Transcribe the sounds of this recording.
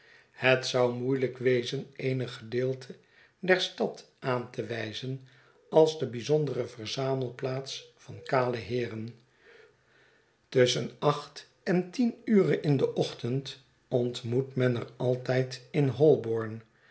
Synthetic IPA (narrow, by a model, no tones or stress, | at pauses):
hətsʌwmujləkʋejzənejnəχχədɪːlˠtʰə | dɛɹstɑt | aːntəʋɛjzən | ɑlˠzdəbizɔndərəvərzaːməlˠplaːtsfɑnkaːləɦɪːrən | tɵsənɑχt | ɛntinyːrənɪndəʔɔχtənt | ɔntmutmɛnərɑlˠtɛjtɪnɦɔlˠbɔɹn